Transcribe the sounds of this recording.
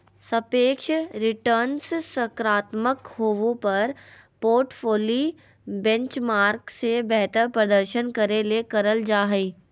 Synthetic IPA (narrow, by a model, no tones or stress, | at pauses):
səpeːkʃɾɪʈəɾnssəkɾaːt̪məkhoːʋõpɐɾ | poːɾʈfʰoːli | bɛ̃ɲt͡ʃmaːɾksebɛɦt̪əɾpɾəd̪əɾʃənkɐɾelekɐɾəld͡ʒaːɦɛː